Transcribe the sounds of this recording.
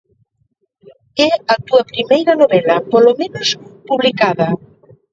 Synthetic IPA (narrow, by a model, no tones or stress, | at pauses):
ɛat̪uɐpɾimejɾɐnoβɛlɐpolomẽnospuβlikaðɐ